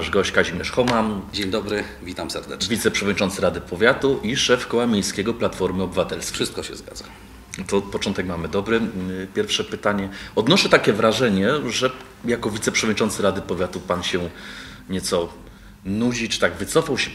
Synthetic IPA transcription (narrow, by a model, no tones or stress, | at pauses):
aʐɡɔɕt͡ɕkaʑimʲjɛʂxɔmand͡ʑeɲd̪ɔbɾɘ | vʲit̪amsɛɾd̪ɛvʲit̪sɛpʂɛvɔd̪ɲit͡ʂɔnt̪sɘɾad̪ɘpʰɔvʲjat̪uʔiʂɛfkɔwamʲjejskʲɛɡɔplat̪fɔɾmɘɔbɘvat̪ɛlsʂɘst̪kɔɕɛ̰zɡa̰d̪a | t̪ɔpɔt͡ʂɔnt̪ɛkmamɘd̪ɔbɾɘpʲjɛɾfʂɛpɘt̪aɲɛɔd̪nɔʂɛt̪akʲɛvɾaʐɛɲɛʐɛ | jakɔvʲit̪sɛpʂɛvɔdɲit͡ʂɔnt̪sɘɾad̪ɘpɔvʲjat̪upanɕɛ | ɲɛt̪sɔ | nud͡ʑit͡ʂɨ̥t̪aɡvɘt̪sɔfawɕɛ